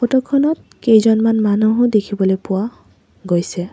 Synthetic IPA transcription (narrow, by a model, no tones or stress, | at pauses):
xɔtɔkʰːɔnɔt̚ | kejzɔnmanmanuɦʊdekʰibɔlojpʊwa | ɡojsɛ